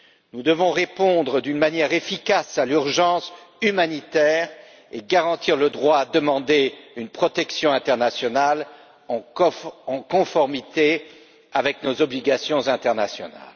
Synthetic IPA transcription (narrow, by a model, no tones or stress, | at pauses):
nud̪əvɔ̃ʁepɔ̃d̪ʁəd̪ynmanjɛʁefikasalyʁʒɑ̃symanit̪ɛːʁ | eɡaʁɑ̃t̪iʁləd̪ʁwaːd̪əmɑ̃d̪eynpχɔt̪ɛksjɔ̃ɛ̃t̪ɛʁnasjɔnal | ɑ̃ɑ̃kɔ̃fɔʁmit̪e | avɛknozɔbliɡasjɔ̃zɛ̃t̪ɛʁnasjɔna̰l